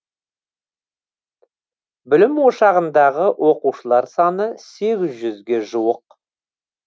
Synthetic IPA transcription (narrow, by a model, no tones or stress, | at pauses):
bʏlɪmwoʃɑʁənd̪ɑʁəwʔo̞quʃəlˠɑɾsɑnəse̞ɡʲɪzʒʏzɡʲe̞ʒuwəq